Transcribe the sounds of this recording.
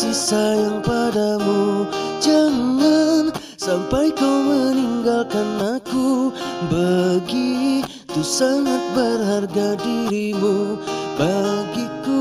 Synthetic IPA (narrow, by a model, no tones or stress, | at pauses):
sisajaŋpadamud͡ʒaŋan | sampajkawməniŋɡalkanakubaɡi | t̪usaŋat̪̚bərɦarɡadiɾimubaɡiku